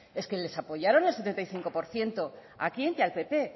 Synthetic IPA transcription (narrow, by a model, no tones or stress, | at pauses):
e̞ske̞le̞sapo̞ʝaɾo̞nelset̪ent̪ajθiŋkopo̞ɾθje̞nt̪o̞ | a̰kient̪ialpe̞pe̞